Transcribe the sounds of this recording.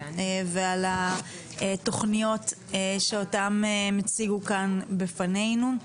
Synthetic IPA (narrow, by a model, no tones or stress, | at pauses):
eveala | eto̞χnijo̞t | eʃeotamemet͡siɡukanbefane̞jnu